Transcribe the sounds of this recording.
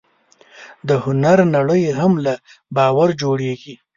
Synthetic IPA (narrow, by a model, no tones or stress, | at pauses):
d̪əhʊnaɾnaɽəjɦamla | bɑwaɾd͡ʒoɽeɡi